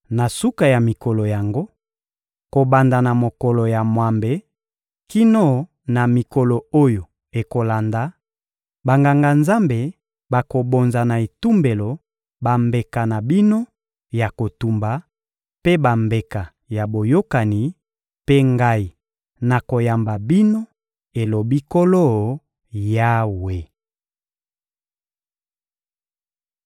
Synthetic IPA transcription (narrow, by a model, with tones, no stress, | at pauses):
na˨su˦ka˨ja˨mi˨kɔ˨lo˨ja˨ŋɡo˦ | ko˨ba˨nda˨na˨mo˨kɔ˨lo˨ja˨mwa˨mbe˨ | ki˦no˦ | na˨mi˨ko˨lo˨o˦jo˨ | e˨ko˨la˨nda˨ | ba˨ŋɡa˨ŋɡa˨nza˦mbe˨ | ba˨ko˨bo˨nza˨na˨e˨tu˦mbe˨lo˨ | ba˨mbe˨ka˨na˨bi˦no˦ | ja˨ko˨tu˨mba˨ | pe˦ba˨mbe˨ka˨ | ja˨bo˨jo˦ka˨ni˨˦ | pe˦ŋɡa˦i˨ | na˨ko˨ja˨mba˨bi˦no˦ | e˨lo˨bi˦ko˦lo˦˨ | ja˦we˨